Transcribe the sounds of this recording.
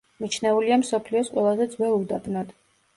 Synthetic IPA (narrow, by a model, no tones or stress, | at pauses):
mit͡ʃʰnɛuliamsɔpʰliɔsqʼwɛlˠazɛd̪zwɛlˠud̪ad̪nad̪̥